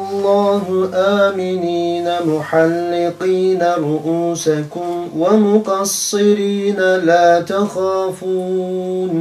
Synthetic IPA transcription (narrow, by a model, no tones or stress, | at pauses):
ʔɑlˤːɑːɦʊʔaːmɪniːnamʊħalːɪqiːnaɾˤʊʔuːsakʊmwamʊqɑsːɪɾiːnalaːt̪axaːfuːn